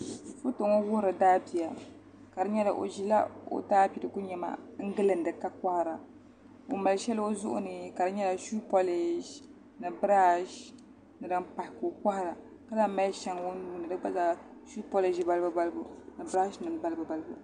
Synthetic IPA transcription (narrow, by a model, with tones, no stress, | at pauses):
fʊ˦to˨ŋo˦wʊ˦hɾɨ˨daː˦pi˨a˨ | ka˨dɨ˦ɲɛ˦la̰˨ʔo̰˨ʒi˦la̰˦o̰˦taː˦pi˨dɨ˨ku˦ɲɛ˨ma̰˨ŋ̩˦ɡɨ˦lɨ˨n̩˦dɨ˨ka˦kʷa˦hɾa˨ | o˨ma˨lʃɛ˦lo˦zʊ̰˦ʔʊ̰˦nɨ˨ka˨dɨ˦ɲɛ˦la˨ʃu˦po˦le˨ʒ | nɨ˨bɾa˦ʃ | nɨ˨dɨ˦mpa˨hɪ˨ko˨ka˦hɾa˨ | ka˦la˦ma˦lʃɛ˦ŋwo˦nu˦nɨ˨dɨ˦ɡ͡ba˦za˦ʃu˦po˦le˨ʒi˦ba˦lbɨ˦ba˦lbʊ˨nɨ˨bɾa˦ʃnɨ˨n˦ba˦lbɨ˨ba˨lbṵ˨